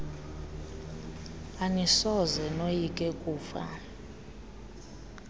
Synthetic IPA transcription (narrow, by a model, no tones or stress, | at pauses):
anisɔzɛnojikʼɛkʼuːfa̰